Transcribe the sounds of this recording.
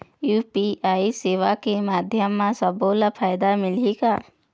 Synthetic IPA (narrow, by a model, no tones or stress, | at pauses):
juːpiaːiseːʋakemaːd̪ʱjəmːãsəbolapʰaːjd̪amɪlika